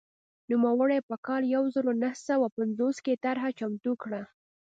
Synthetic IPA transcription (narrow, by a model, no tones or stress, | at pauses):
numawəɽepəkɑljawzəɾonahsawapanzosket̪aɾɦat͡ʃamt̪ukɽa